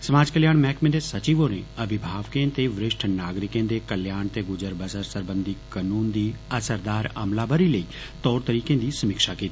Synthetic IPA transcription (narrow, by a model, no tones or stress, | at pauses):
sɐmaːd͡ʒkəljaːɽ̃mɛːkmẽd̪esət͡ʃiːʋonḛɐʋɪbʱaːʋkẽt̪eʋɾɪʃʈʰnaːɡɾɪkẽːd̪ekəljaːɳ̃t̪eɡʊd͡ʒəɾbəsəɾsəɾbə̃nd̪ikənuːnd̪iːɐsəɾd̪aːɾə̰mlaːbəɾiləiː | t̪ɔːɾt̪əɾiːkẽd̪iːsɐmɪkʃakiːt̪i̥